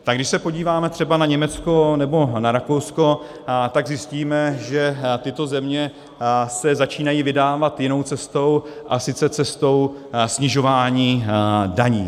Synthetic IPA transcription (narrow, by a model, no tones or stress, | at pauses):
t̪aɡdɪʃsɛpo̞ɟiːvaːmɛt̪r̝̥ɛbanaɲɛmɛt͡sko̞nɛbo̞naɾakowsko̞ | t̪aɡzɪsciːmɛʒɛt̪ɪt̪o̞zɛmɲɛ | sɛzat͡ʃiːnajiːvɪdaːvat̪jɪno̞wt͡sɛst̪o̞wʔasɪt͡sɛt͡sɛst̪o̞wsɲɪʒo̞vaːɲiːdaɲiː